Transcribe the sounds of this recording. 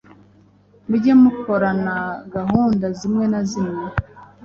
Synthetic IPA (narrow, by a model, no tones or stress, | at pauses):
muɟemukoɾanaɡaɦuːndazimŋe̞nazimŋe